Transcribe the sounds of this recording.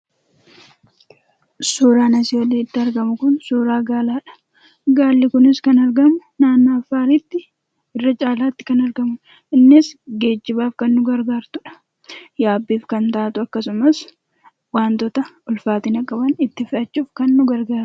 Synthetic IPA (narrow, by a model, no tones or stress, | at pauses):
suːɾaːnɐsɪɔleːɪt̪ːɪɐɾɡɐmʊkʊnsuːɾaːɡaːlaːᶑɐ̥ | ɡaːlːɪkʊnɪskɐnɐɾɡɐmʊnaːnːaːɐfːaːɾit̪ːɪ | ɪrːɐt͡ʃʼaːlaːt̪ːɪ̥kɐnɐɾɡɐmʊ | ɪnːɪsɡe̞ːd͡ʒːɪbaːfkɐnːʊɡɐɾɡaːɾt̪ʊᶑɐ̥ | jaːbːiːfkɐnt̪aːt̪ʊɐkːɐsʊmɐs | waːnt̪ɔt̪ɐʔʊlfaːt̪ɪnɐkʼːɐbɐnɪt̪ːɪfɪʔɐt͡ʃːuːfkɐnːʊɡɐɾɡaːɾʊ̥